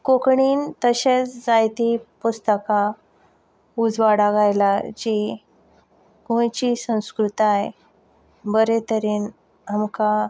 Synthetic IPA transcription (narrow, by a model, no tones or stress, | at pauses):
kokɳiːnt̪əɕet͡sd͡zajt̪ipust̪əka | ud͡zʋaɽaɡajlad͡ʑi | kõjt͡ɕisə̃w̃skɾut̪ae | bəɾet̪əɾiːn | amka